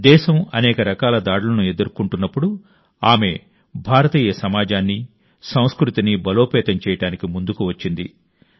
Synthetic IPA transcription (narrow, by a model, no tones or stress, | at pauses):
d̪ɛːʃɐmɐ̰nɛːkɐɾɐkaːlɐd̪aːɽulɐnue̞d̪uɾukuɳʈunːɐpːuɽu | aːme̞ | bʱaːɾɐt̪iːjɐsɐmaːd͡ʒaːnːi | sɐ̃w̃skɾut̪inibɐloːpɛːt̪ɐmt͡ʃɛːjɐʈaːnikimund̪ukuʋɐt͡ʃːind̪ḭ